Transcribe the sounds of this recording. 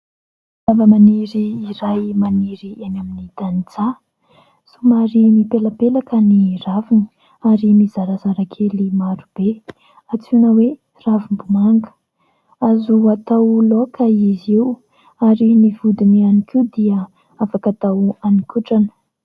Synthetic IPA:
avəmaniɾiːɾajmaniɾianaminid̪anit͡sa | sumaɾimipelapelakəniravinə̥ | aɾimizaɾazaɾakʰelimaɾub̥e | at͡sunəwe | ravumbumaŋɡə̥ | azuat̪awlokəizew | aɾinivud̪inianikʰid̪iə | afakat̪awanikuʈ͡ʂanə̥

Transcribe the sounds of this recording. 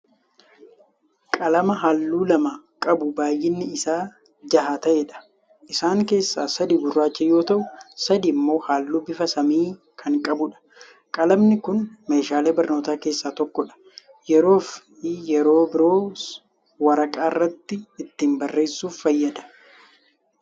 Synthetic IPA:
kʼɐlɐmɐɦaːlːuːlɐmɐ | kʼɐbʊbaːjːɪnːɪɪsaː | d͡ʒɐɦaːt̪ɐʔeᶑɐ̥ | ʔɪsaːŋke̞ːsːaːsɐd̪iɡʊrːaːt͡ʃːɛjo̞ːt̪ɐʔʊsɐd̪imːo̞ːhaːlːuːbɪfɐsɐmiː | kʰɐŋkʼɐbʊᶑɐ̥ | kʼɐlɐbnɪkʊnme̞ːʃaːleːbɐɾno̞ːt̪aːke̞ːsːaːt̪ɔkːɔᶑɐ̥ | jɛɾo̞ːf | jɛɾo̞ːbɪɾo̞ː | wɐɾɐkʼaːɪrːɐt̪ːɪːt̪ːiːmbɐrːe̞ːsːuːfːɐjːɐd̪ɐ̥

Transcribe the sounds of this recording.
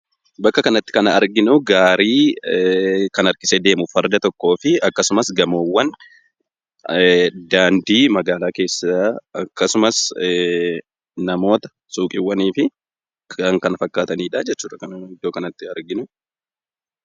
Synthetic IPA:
bɐkːɐkɐnɐt̪ːɪ̥kɐnɐɐɾɡɪnʊɡaːɾiː | kɐnɐɾkɪ̥sɛd̪e̞ːmʊfɐɾd̪ɐt̪ɔkːo̞ːfɪɐkːɐsʊmɐsɡɐmoːwːɐn | d̪aːnd̪iːmɐɡaːlaːke̞ːsːaɐkːɐsʊmɐs | nɐmo̞ːt̪ɐ̥ | suːkʼɪwːɐniːfɪ | kɐŋkɐnɐfɐkːaːt̪ɐniːᶑaːd͡ʒɛtt͡ʃːuːᶑɐkɐnɪd̪ːoːkɐnɐt̪ːɪɐɾɡɪnʊ

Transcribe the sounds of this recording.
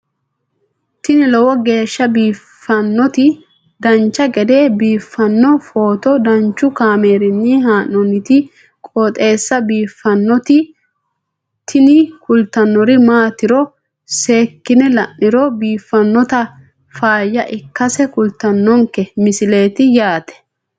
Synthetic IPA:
t̪ɪnɪlɔwɔɡe̞ːʃːɐbiːfːɐnːɔt̪ɪ | d̪ɐnt͡ʃːɐɡɛd̪e̞ːbiːfːɐnːɔfo̞ːt̪ɔd̪ɐnt͡ʃːʊkaːme̞ːɾɪnːihaːnːɔnɪt̪ɪ | kʼɔt̪ʼe̞ːsːɐbiːfːɐnːɔt̪ɪ | t̪ʰɪnɪkʊlt̪ːɐnːɔɾɪmaːt̪ɪɾɔ | se̞ːkːɪnɛlɐʔːɪɾɔbiːfːɐnːɔt̪ɐ | faːjːɐʔɪkːɐsɛkʊlt̪ːɐnːɔŋkɛmɪsɪle̞ːt̪ɪjaːt̪ɛ̥

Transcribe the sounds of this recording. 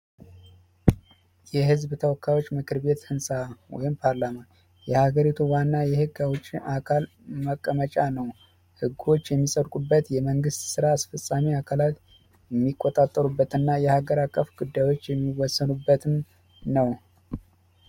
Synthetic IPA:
jɛɦɨzbt̪ʰəwɔkʰːajwo̞t͡ʃːmɨkʰɨɾbe̞t̪hɨnsʼawɔ̰jɪmpʰaɾlaman | jɛhaɡəɾit̪ʰuwanːajɛhɨɡawʊt͡ʃʼːiʔakʰal | məkʼːəmət͡ʃʼanəw | hɨɡːwo̞t͡ʃːjɛmːisʼəɾkʼubːət̪jɛməŋɡɨst̪sɨɾaːsfəsʼːamiakʰalat̪ | jɛmːikʼːot̪ʼat̪ʼːəɾubːət̪ɨnːajɛhaɡəɾakʼːəfɡud̪ːajwo̞t͡ʃːjɛmːiwɔsːənubːət̪ʰɨm | nəw

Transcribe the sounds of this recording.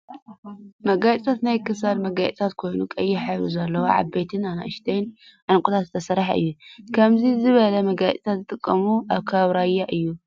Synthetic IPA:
mɐɡajt͡sʼt̪ʰat̪najkʰɨsalmɐɡajʼt̪ʰat̪kʰo̞jnukʼɐjːiħaɾuzɐlːɐwoʕa̰βbejt̪ʰɨnana̰ʔɨʃt̪ʰejn | ʕɨnkʼut̪ʰat̪zɨ̥t̪ʰɐsɐɾaħɨ̰jːukʰɐmzizɨβɐlɐmɐɡaj̰t͡sʼt̪ʰat̪zɨt̪ʼɨkʼːɐmuʔaβkʰɐβɾajːaʔɨjːu

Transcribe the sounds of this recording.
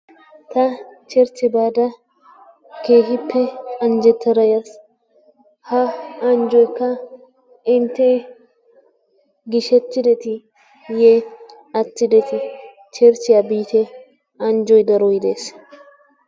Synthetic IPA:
t̪ɐt͡ʃɛɾt͡sːɪbaːd̪ɐ | keːɦɪpːɛɐnd͡ʒɛt̪ʰːɛɾɐjɐs | hɐɐnd͡ʒɔjkːɐ | ɪnt̪ːe | ɡɪʃɛt̪ːɪd̪ɛt̪ɪ | je | ɐt̪ːɪd̪ɛt̪ɪ | t͡ʃɛɾt͡ʃːɪjɐbiːt̪ɛ | ɐnd͡ʒɔjd̪ɐɾɔjɪd̪eːs

